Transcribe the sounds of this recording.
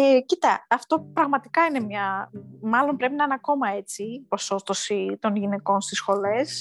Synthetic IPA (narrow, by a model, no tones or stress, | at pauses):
ecit̪ɐɐft̪o̞pɾɐɣmɐt̪ikɐine̞mɲɐmɐlo̞mpɾe̞pinɐnɐko̞mɐe̞t͡sipo̞so̞st̪osit̪o̞nʝine̞ko̞nst̪isxo̞le̞s